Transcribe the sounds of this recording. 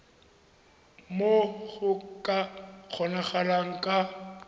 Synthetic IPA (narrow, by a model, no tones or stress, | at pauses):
moɣʊkʼak͡xʰɔnaχalaŋ̩kʼa